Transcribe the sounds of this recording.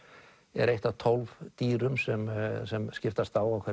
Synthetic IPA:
ɛ̰ɾejht̪at̪ʰɔlvt̪iːɾʏmsɛmsɛmscɪft̪ast̪aːwawkʰvɛ

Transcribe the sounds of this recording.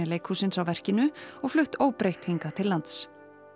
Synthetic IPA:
ɪleːjkʰhusɪnsawvɛr̥cɪnʏɔɣflʏht̪oːwpɾejht̪hiŋkat̪ʰɪlːant̪s

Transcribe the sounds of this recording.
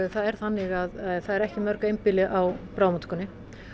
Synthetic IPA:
θaðɛɾ̥θanːɪɣaðθaðɛɾɛhcɪmœɾkaejmpɪlɪʔawpɾaːwmat̪kʏnːɪ

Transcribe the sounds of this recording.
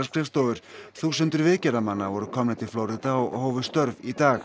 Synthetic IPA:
askʰɾɪfst̪oːwʏɾ̥θusʏnt̪ʏɾvɪːcɛɾamanːavɔɾʏkʰɔmnɪt̪ʰɪlflowɾɪt̪aɔɣhoːwvʏst̪œɾvit̪aːx

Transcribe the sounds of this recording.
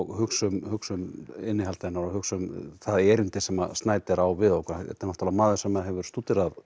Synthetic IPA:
ɣhʏksʏmhʏksʏmɪnːɪɦalt̪aɪnaɾɔhʏksʏmθaðɛɾɪnt̪ɪsɛma̰st̪naːjt̪ɪɾawvɪðɔhkʰaɾɛ̰t̪ːanɔht̪ʰalːamaːðʏsɛmːaðɦɛvʏɾ̥st̪uːt̪ɪɾað

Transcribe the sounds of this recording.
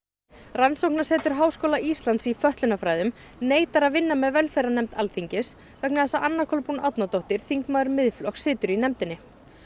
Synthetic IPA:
ransowhknaɾ̥sɛːt̪ʏɾ̥ɦaːwskowlaʔist̪ant̪sifœht̪lʏnafɾaːjðʏm | neːjt̪aɾaðvɪnːamɛðvɛlfɛɾanɛmt̪alθiɲcɪs | vɛknaθɛsaʔanːakʰɔlpunawt̪nat̪owht̪ɪɾ̥θiŋkmaːðɾmɪðflɔxksɪːt̪ʏɾinɛmt̪ɪnːɪ

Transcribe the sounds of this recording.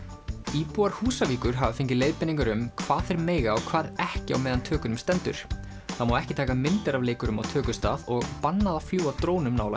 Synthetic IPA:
iːpuːaɾ̥huːsaviːkʏɾ̥ɦaːvafɪɲcɪleːjðpɪniŋkʏɾʏmkʰvaːðθɛɾmeːjɣaɔkʰvaːðɛhcɪa̰wmɛːðant̪ʰœːkʏnʏmst̪ɛnt̪ʏ̰ɾ̥ | θamaːwɛhcɪt̪ʰaːkamɪnt̪ɛɾavleːjkʏɾʏma̰wt̪ʰœːkʏst̪a̰ːðɔɣpanːaðafljuːwawt̪ɾoːwnʏmnaːwla

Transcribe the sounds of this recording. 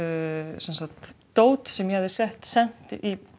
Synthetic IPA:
sɛnsat̪ː | oːwt̪sɛmjɛhavðɪsɛht̪sɛn̥t̪ʔi

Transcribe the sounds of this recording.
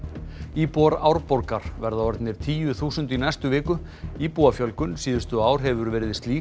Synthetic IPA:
iːpuaɾaːwɾpɔɾkaɾ̥vɛɾðaɔɾt̪nɪɾ̥t̪ʰiːjʏθuːsʏnt̪inajst̪ʏvɪːkʏ | iːpuafjœlkʏnsiːðʏ̥st̪ʏaːwɾ̥ɦɛvʏɾvɛːɾɪðɪst̪liː

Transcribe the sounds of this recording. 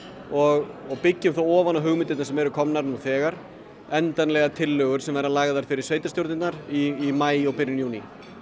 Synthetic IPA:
ɔɣɔɣpɪcːʏmθawɔːvanaɦʏɣmɪnt̪ɪt̪naɾsɛmɛɾʏkʰɔmnaɾnuθɛːɣaɾ̥ | ɛnt̪anlɛɣat̪ʰɪlːœɣʏɾ̥sɛmvɛɾalaːɣðaɾ̥fɪɾɪɾ̥sveːjt̪ast̪jowɾt̪ɪt̪naɾiːmaːjɔwpɪɾjʏnjuːni

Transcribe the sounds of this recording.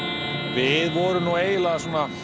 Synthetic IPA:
vɪðvɔɾʏmnueːjlaɣasɔːna

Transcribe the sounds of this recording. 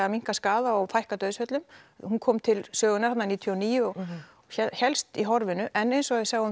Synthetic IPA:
amiŋ̥kaskaːðaɔwfajhkat̪œːðsfœt̪lʏmhunkʰɔːmt̪ʰɪlsœːɣʏnaɾhat̪naniːt̪ʰjɔniːjʏɔɣ | çɛçɛlst̪iɦɔɾvɪnʏʔɛnːejnsɔɣɛðsaɣʏ

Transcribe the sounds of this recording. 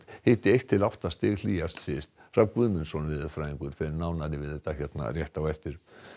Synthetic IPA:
hɪːht̪ɪejht̪ʰːɪlawht̪ast̪ɪːɣl̥iːjast̪sɪst̪fɾamkvʏðmɪnsɔnvɪðfɾaːjiŋkʏɾ̥fɛɾɪnaːwnaɾɪvɪðɛht̪açjɛt̪na̰rjɛht̪awɛft̪ɪɾ̥

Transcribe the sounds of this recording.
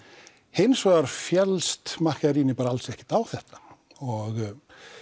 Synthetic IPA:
hejnsvaɣaɾ̥fjɛlst̪mahcaɾiːnɪpaːɾaalsɛhcɪ̥t̪awθɛht̪ḁ | ɔɣ

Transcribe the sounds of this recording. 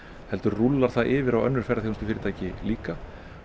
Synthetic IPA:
hɛlt̪ʏɾrulːaɾ̥θaðʔɪːvɪɾawœnːʏɾ̥fɛjɾaθihnst̪ʏ̥fɪːɾɪt̪ʰajcɪliːka

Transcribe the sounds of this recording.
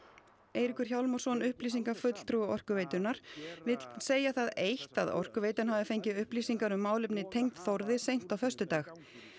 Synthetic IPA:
eːjɾikʏɾ̥çawlmɔrsɔnʏhpliːsiŋkafʏt̪l̥t̪ʰɾuʏɔr̥kʏvejt̪ʏɾnaɾ̥vɪt̪lseːjaθaðejht̪aðɔ̰r̥kʏvejt̪ʏnɦaːvðɪfejɲcɪʏhpliːsiŋkaɾʏmːaːwlɪpnɪt̪ʰejŋt̪θɔwɾðɪsejn̥t̪awfœr̥st̪ʏt̪aːx

